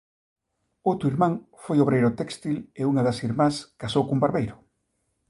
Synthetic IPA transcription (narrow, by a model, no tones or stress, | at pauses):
owt̪ɾʊiɾmãŋfojoβɾejɾʊt̪ɛkst̪ileuŋaðɐsiɾmãskasowkumbaɾβejɾʊ